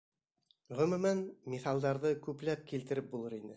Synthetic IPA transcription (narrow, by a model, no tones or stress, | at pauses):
ʁɵ̆mɵ̆mænmiθɑlˠd̪ɑɾðɤkʉpl̪æp̚kilt̪ɘ̆ɾɘp̚bulˠɤɾinɘ